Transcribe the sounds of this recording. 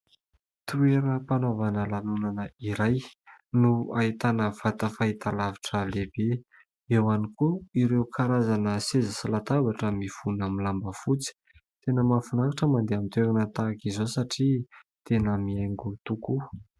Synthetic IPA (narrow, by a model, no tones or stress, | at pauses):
t̪ueɾəpanovanəlanunanəiɾajnuait̪anəv̥at̪əfaɦit̪alaviʈ͡ʂəlebe | ewanikuiɾewkʰaɾazanəsezəsalat̪abaʈ͡ʂəmiv̥unamilambəfut͡si̥ | t̪enəmafunaɾaʈ͡ʂəmand̪eamit̪eɾanət̪akizosaʈ͡ʂi | t̪enəmieŋɡut̪uku